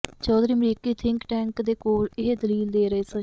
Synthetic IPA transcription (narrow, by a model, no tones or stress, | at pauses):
t͡ʃɔːd̪ɾiːəmɾiːkiːt̪ʰɪŋkʈɛːŋkd̪eːkoːlɪɦed̪əliːld̪eːɾəeːsi